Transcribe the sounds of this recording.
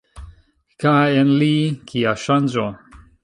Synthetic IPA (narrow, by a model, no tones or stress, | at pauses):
kaenlikʰiaʃand͡ʑo